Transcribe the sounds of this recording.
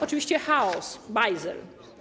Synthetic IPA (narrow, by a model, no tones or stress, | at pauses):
ɔt͡ʂɨvʲiɕt͡ɕɛxaɔsbajzɛ̰l